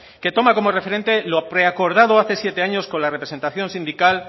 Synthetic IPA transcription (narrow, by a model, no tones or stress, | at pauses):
ke̞t̪o̞mako̞morefe̞ɾe̞nt̪e̞lopɾe̞ako̞ɾð̞að̞oaθe̞sjet̪e̞aɲo̞sko̞nlare̞pɾese̞nt̪aθjo̞nsĩnd̪ikal